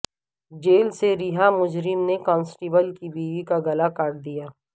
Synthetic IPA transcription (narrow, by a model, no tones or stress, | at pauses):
d͡ʒeːlseɾɪɦamʊd͡ʒɾɪmnekɔ̃ːnsʈiːbəlkibiːʋikaɡɐlakaːʈd̪ijaː